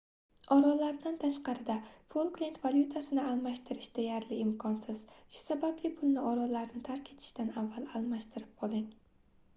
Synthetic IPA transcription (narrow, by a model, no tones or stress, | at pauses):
ɒɾɒlaɾd̪ant̪ʰaʃqɑɾɪd̪apolˠklˠint̪valˠʲjut̪ʰasɪnɪalˠmaʃt̪ʰɪɾɪʃd̪̥ejaɾlɪɪmkʰɒnsɪz̥ʃʊ̥sabablɪpʰʊlˠnɪɒɾɒlaɾnɪt̪ʰaɾkʲʰe̞t̪ʰɪ̥ʃt̪anavːalˠalˠmaʃt̪ʰɪɾɪp̚qʰɒlˠɪŋ